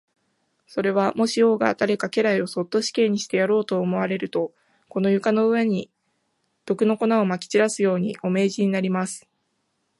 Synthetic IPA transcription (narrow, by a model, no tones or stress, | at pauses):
so̞ɾe̞β̞amo̞ɕio̞ːɡa̰d̪̥aɾe̞kake̞ɾaio̞so̞t̪ːo̞ɕi̥kẽ̞ːɲ̟ːiɕi̥t̪e̞jaɾo̞ːt̪o̞ːmo̞βaɾe̞ɾɯ̟t̪o̞ | ko̞no̞jɯ̟kano̞ɯ̟βe̞ɲ̟i | d̪̥o̞kɯ̟no̞ko̞naomakʲi̥t͡ɕiɾasɨjo̞ːɲ̟iʔo̞me̞ːʑiɲ̟inaɾʲimasɨ̥